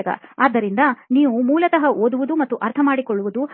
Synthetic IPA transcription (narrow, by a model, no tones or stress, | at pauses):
ɐɡɐ̰aːd̪ːɐɾind̪ɐniːʋumuːlɐt̪ɐɦɐʔoːd̪uʋud̪umɐt̪ːuʔɐɾt̪ʰɐmaːɽikɔɭːuʋud̪u